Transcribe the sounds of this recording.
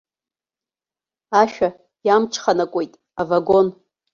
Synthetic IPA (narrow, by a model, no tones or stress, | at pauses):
aʃᶣa | jamʈ͡ʂʰʼχanakʷʼo̞jtʼ | avaɡo̞n